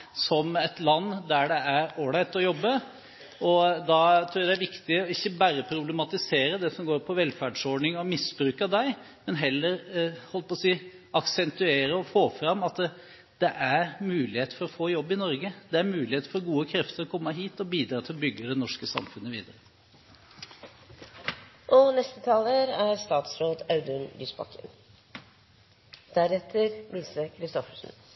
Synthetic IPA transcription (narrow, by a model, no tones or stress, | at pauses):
sɔmɛt̪lɑnːd̪æɖɛæɾoːɽæɪt̪ɔjɔbːə | ɔd̪ɑt̪ʰɾuːjæd̪æɾʋɪkt̪ɪɔɪçːəbæɾəpʰɾʊbləmɑt̪ɪseːɾəd̪ɛsɔmɡoːɾpʰɔʋɛlfæɖʂɔɖɳɪŋɔmɪsbɾʉːkɑd̪æɪ | mɛnɦɛlːəɾhɔlpɔsiː | ʔɑksɛnt̪ʉeːɾəɔfoːfɾɑmːɑt̪ | d̪̥ɛʔæɾmʉːlɪheːt̪əfɔɾɔfoːjɔbːɪnɔɾɡəd̪ɛæɾmʉːlɪheːt̪əfɔɾɡuːəkʰɾɛft̪əɾɔkʰɔmːəɦiːt̪ɔbiːd̪ɾɑːt̪ʰɪlɔbʏɡːəd̪ɛnɔʂkəsɑ̰mfʉnːəʋḭːd̪əɾə | ʔɔnɛst̪ət̪ʰɑːləɾæɾst̪ɑːt̪sɾoːd̪ɑʉd̪ʉnlyːsbɑ̰kʰə̰n | d̪̥æɾɛt̪ʰəɾʋiːsəkʰɾɪst̪ɔfə̥ʂn̩